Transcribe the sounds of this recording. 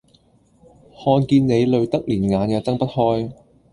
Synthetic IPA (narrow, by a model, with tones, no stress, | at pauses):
hɔː˧nkiː˧nne˨˧jlɵ˨˧ɥt̪ɐ˥k̚liː˨˩nŋaː˨˧njɐ˨˧wt͡sɐ˥ŋpɐ˥t̚hɔː˥j